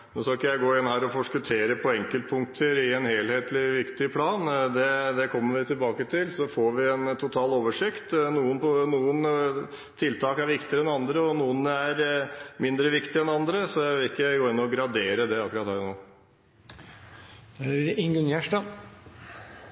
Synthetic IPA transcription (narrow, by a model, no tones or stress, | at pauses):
noskɑkːəjæɪɡoːɪnːhæːɾɔfɔʂkət̪ʰeːɾəpʰɔɛŋkəlt̪̚pʰʊŋk̚t̪ʰəɾɪɛnheːlheːt̪lɪʋɪkt̪ɪpʰlɑːnd̪ɛd̪ɛkʰɔmːəɾʋɪt̪ʰɪlbɑːkət̪ʰɪlsɔfoːɾʋɪɛnt̪ʰʊt̪ʰɑːloːʋəʂɪkt̪nuːənpɔnuːən | t̪ʰɪlt̪ʰɑːkæɾʋɪkt̪ɪəɾɛnɑnd̪ɾəɔnuːənæɾmɪnd̪ɾəʋɪkt̪ɪɛnɑnd̪ɾəsɔæɪʋɪlɪkːəjæɡoːɪnːɔɡɾɑd̪eːɾəd̪ɛɑkːʉɾɑt̪hæːɾnoː | ɪŋɡʉnjæʂʈɑ